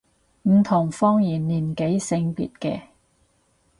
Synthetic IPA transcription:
m̩˨˩t̪ʰʊ˨˩ŋfɔː˥ŋjiː˨˩nlːiː˨˩nke˨˥jsɪ˧ŋpḭː˨˩t̚kɛ̰ː˧

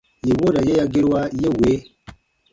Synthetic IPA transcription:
je˨wo˦ɾa˨je˦ja˦ɡi˦ɾwa˦je˦˨we˨˦

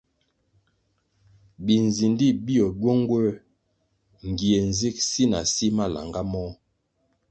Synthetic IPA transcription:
bi˨n˨zi˨ndi˦˨bi˦ɔ˨ɟwo˦ŋɡwɛ˦ | ŋ˨ɡi˨e˨n˨zi˦˨k̚si˦na˨si˦ma˦˨la̰˨ŋɡa˦mɔ˦

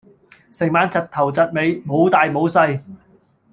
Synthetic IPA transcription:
sɪ˨˩ŋmaː˨˧nt͡sʰɐ˨t̚t̪ʰɐ˨˩wt͡sɐ˨t̚me˨˧jmo˨˧wt̪aː˨jmo˨˧wsɐ˧j

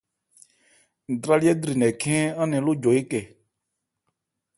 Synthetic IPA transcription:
d̪ɾa˦li˦ɛ˦d̪ɾi˨nɛ̃˨kʰɛ̃ː˦ã˦nɛ̃˨˦lʊ˦d͡ʒo˨e˦kɛ˨

